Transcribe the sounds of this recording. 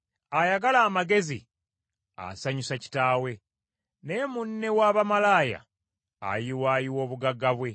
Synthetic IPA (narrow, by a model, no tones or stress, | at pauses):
ajaɡalaːmaɡe̞zi | a̰saɲusaci̥taːwe̞ | nemunːe̞waːβamalaːja̰ː | jiwaːjiwo̞ːβuɡaɡːaβwe̞